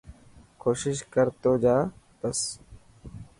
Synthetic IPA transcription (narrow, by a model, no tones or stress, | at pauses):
koːʃɪʃkəɾt̪oːd͡ʒaːp̪əs